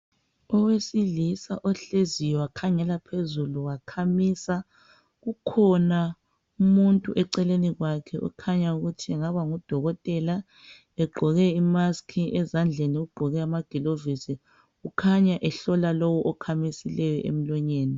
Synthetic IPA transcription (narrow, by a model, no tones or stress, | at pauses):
ɔwesilisa̰ʔɔɬezijɔwakʰaŋɛlapʰezuluwakʰamisa | ɣukʰɔna | umuntʼuʔɛǀɛleniɣwakʰɛʔṵkʰaɲauɣutʰiɛŋaβaŋud̥ʱɔɣɔtʼɛla | ɛɡ͡ǃʱɔɣɛimaskʰiʔɛzand͡ɮʱeniuɡ͡ǃʱɔɣɛamaɡ̥ʱilovisi | ukʰaɲaʔɛɬɔlalɔwɔʔɔkʰamisilɛjɔʔḛm̩lɔɲeːni